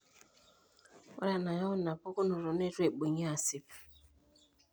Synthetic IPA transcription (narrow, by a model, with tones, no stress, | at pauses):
ɔ̰˦ɾa˨na˨jɔ˦na˨po˦kʊ˦nʊ˨ɾɔ˨ne˦ɾu˦e˨k͡po˨ɲa˦a˨sɪ˦p